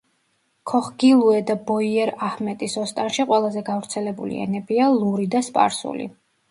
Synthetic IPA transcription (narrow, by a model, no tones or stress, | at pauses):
kʰɔχɡ̥ilˠuɛd̪abɔiɛɾahmɛt̪ʼisɔst̪ʼanʃiqʼwɛlˠazɛɡavɾt̪sʰɛlɛbṵlḭɛ̰nɛbialˠuɾid̪aspʼa̰ɾsṵlḭ